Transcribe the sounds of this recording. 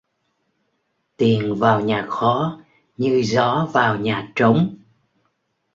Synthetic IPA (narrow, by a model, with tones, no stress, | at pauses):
t̪i˨˩ənvaː˨˩wɲaː˨˩xɔ˨˦ | ɲɨ˧zɔ˨˦vaː˨˩wɲaː˨˩t͡ɕə˨˦wŋ͡m